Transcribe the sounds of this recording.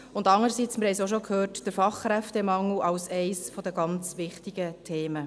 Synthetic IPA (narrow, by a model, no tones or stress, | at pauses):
ʊndɑŋəɾəsit͡smɪɾhɛjsoʃ̬okʰhøːrtd̥əɾfɑχːɾɛftɛmɑŋuʔɑwsɛɪsfɔd̥əɡɑnt͡sʋɪχtiɡətʰeːmə